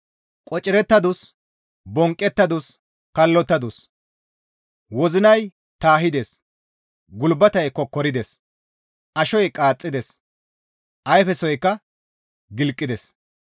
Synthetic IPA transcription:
kʼɔt͡ʃʼːɪɾɛt̪ːɐd̪ʊs | bɔŋkʼːɛt̪ːɐd̪ʊs | kɐlːɔt̪ːɐd̪ʊs | wɔzɪnɐj | t̪aːɦɪd̪eːs | ɡʊlbɐt̪ɐjkːɔkːɔɾɪd̪ɛs | ʔɐʃɔjkʼaːt͡sʼːɪd̪ɛs | ʔɐjfɛsɔjkːɐ | ɡɪlkʼːɪd̪ɛs

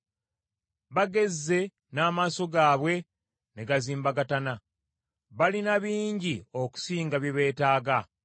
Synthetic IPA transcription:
βaɡe̞zːe̞ | naːmaːso̞ɡaːβwe̞ | neɡaziːmbaɡatana | βalinaβiːɲɟio̞ku̥siːŋɡaβjeβe̞ːtaːɡa

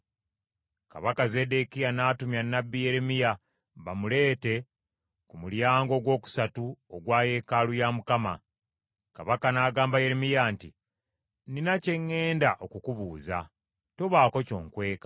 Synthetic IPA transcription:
ka̰βakaze̞de̞kijanaːtumjanːabːije̞ɾemija | βamule̞ːte̞ | kumuljaːŋɡo̞ɡwo̞ːku̥satuoɡwaːje̞ːkalujamukama̰ | kaβakanaːɡaːmbaje̞ɾemijaːnti | ninace̞ŋːe̞ːndaʔo̞kukuβuːza̰ | to̞βaːko̞co̞̰ːŋkwe̞ːkḁ

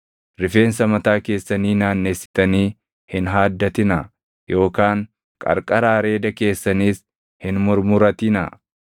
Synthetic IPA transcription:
ɾɪfe̞ːns̬ɐmɐt̪aːke̞ːsːɐniːnaːnːeːsːɪ̥t̪ɐniː | hɪnɦaːd̪ːɐt̪ɪnɐ | jo̞ːkaːŋ | kʼɐ̰ɾkʼɐɾaːɾe̞ːd̪ɐke̞ːsːɐniːs | hɪnmʊɾmʊɾɐt̪ɪnɐ̰

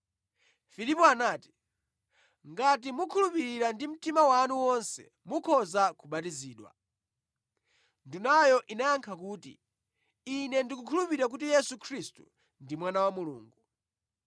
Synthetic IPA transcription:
filipɔanaːti̥ | ŋɡatimukʰulupiɾiɾandim̩timawanuwɔnsɛ̰ | mukʰɔzakuɓatiziːɗwa̰ | ndunajɔʔinajaŋkʰak̬uːtḭ | inɛndikukʰulupiɾak̬utijɛsukʰɾistṵ | ndimwanawamulṵːŋɡu

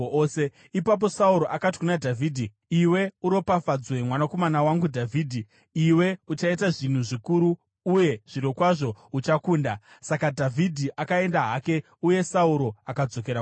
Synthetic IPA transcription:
se | ipap̬o̞sauɾo̞ʔakati̥kunadʱavʱiːdʱi | iwe̞uɾo̞pafad͡zwe̞mwanako̞manawaŋɡudʱavʱiːdʱi | iwe̞ut͡ʃaitaʐin̤uʐikuɾuː | je̞ʐ̥iɾokwaʐo̞ut͡ʃakuːnda | sakadʱavʱidʱiʔakae̞ndaɦake̞ | uje̞sauɾo̞akad͡zo̞ke̞ɾa

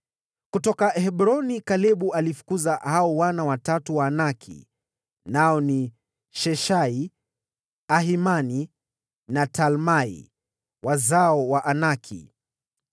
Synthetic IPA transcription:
kutɔkahɛɓɾɔnikalɛɓualifu̥kuzahaɔwanawatatuwaːnakʰḭ | naɔni | ʃɛʃai | aɦimani | natalmaḭ | wazaɔwaʔanakʰḭ

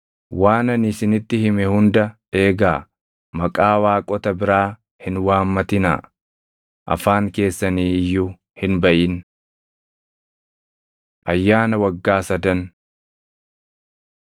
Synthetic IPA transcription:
waːnɐnɪsɪnɪt̪ːɪhɪmɛhʊnd̪ɐ | e̞ːɡaː | mɐkʼaːwaːkʼɔt̪ɐbɪɾaː | hɪnwaːmːɐt̪ɪna̰ː | ʔɐ̰faːŋke̞ːsːɐniːɪjːʊ | hɪnbɐʔɪn | ʔɐjːaːnɐwɐɡːaːsɐd̪ɐn

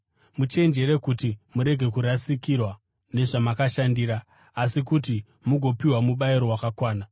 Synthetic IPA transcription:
mut͡ʃe̞nd͡ʒe̞ɾe̞kutimuɾe̞ɡʱe̞kuɾasikirwa | ne̞ʐamakaʃandiːɾaː | sikuti | muɡʱo̞piwamuɓaiɾo̞wakakwaːna

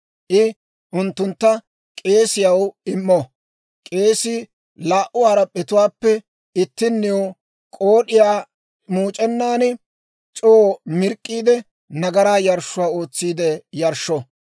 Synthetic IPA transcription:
ʔɪ | ʔʊnt̪ːʊnt̪ːɐ | kʼe̞ːsɪjɐwɪmːɔ | kʼe̞ːsɪ | laːʔʊwaːɾɐpʼɛt̪ʊwaːpːɛ | ɪt̪ːɪnːɪjo | kʼoːɗɪjaː | muːt͡ʃʼɛnːaːnɪ | t͡ʃʼomɪɾkʼːiːd̪ɛ | nɐɡɐɾaːjɐɾʃːʊwaːo̞ːt͡sːiːd̪ɛjɐɾʃːɔ

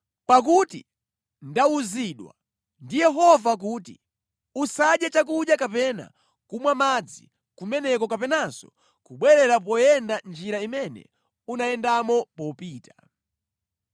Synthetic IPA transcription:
pak̬uti | ndauziɗwa̰ | ndijɛɦɔvak̬uːtḭ | usaɗjɛt͡ʃak̬uɗjakapɛna̰ | kumwamad͡zḭ | kumɛnɛkɔkapɛnasɔ | kuɓwɛɾɛɾap̬ɔjɛndand͡ʒiɾaimɛnɛ̰ | unaɛndamɔpɔpiːta

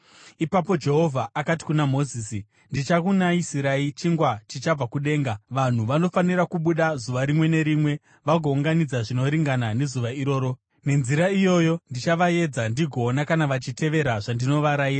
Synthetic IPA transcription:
ipapo̞d͡ʒe̞ɦo̞vʱaʔakati̥kunamo̞ziːsi | ndit͡ʃakunaisiɾait͡ʃiŋɡwat͡ʃit͡ʃab͡vakuɗe̞ːŋɡaʋan̤uʋano̞faniɾakuɓuɗazuʋaɾimwe̞ne̞ɾimwe̞ | ʋaɡʱo̞uŋɡanid͡zaʐino̞ɾiŋɡanane̞zuʋaiɾo̞ːɾo̞ | ne̞nziɾaijo̞jo̞ndit͡ʃaʋaje̞d͡zandiɡʱo̞ːnakanaʋat͡ʃite̞ʋe̞ɾaʐandino̞ʋaɾaiːra

